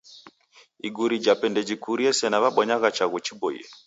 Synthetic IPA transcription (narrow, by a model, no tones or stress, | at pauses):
iɡuɾid͡ʒapɛndɛd͡ʒikuɾiɛsɛnaβaɓwaɲaɣat͡ʃaɣut͡ʃibɔḭɛ